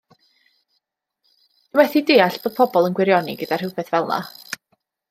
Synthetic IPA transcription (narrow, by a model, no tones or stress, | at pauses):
d̥ɪwɛθideːaɬb̥oːd̥̚pʰɔbɔlˠənɡwɪɾjɔnḭɡədar̥hɪwpɛθvɛlˠna̰